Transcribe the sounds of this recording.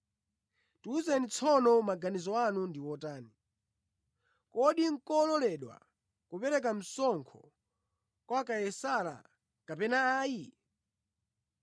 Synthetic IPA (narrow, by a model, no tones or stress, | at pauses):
tuːzɛnit͡sʰɔnɔmaɡanizɔanundiwɔtaːni | kɔɗiŋ̩kɔlɔlɛɗwa̰ | kupɛɾɛk̬am̩sɔŋkʰɔ | kwakajɛsala̰ | kapɛnaːji